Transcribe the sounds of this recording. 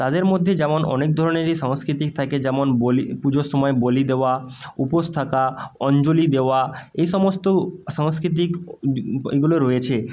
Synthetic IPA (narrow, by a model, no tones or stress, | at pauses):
t̪ad̪eɾmod̪ʱːed͡ʑɛmonɔ̰nek̚d̪ʱɔɾoneɾiʃaŋskɾit̪ik̚t̪ʰaked͡ʑɛmonbolipud͡ʑoʃɔmɔebolid̪eoaupost̪ʰakaɔnd͡ʑolid̪eoaejʃɔmost̪oʃaŋskɾit̪̬ik | ɡuloɾojet͡ɕʰe